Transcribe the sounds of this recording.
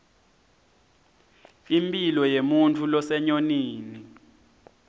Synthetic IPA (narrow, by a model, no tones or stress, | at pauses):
impʼilɔjemuntʰulɔsɛɲoniːni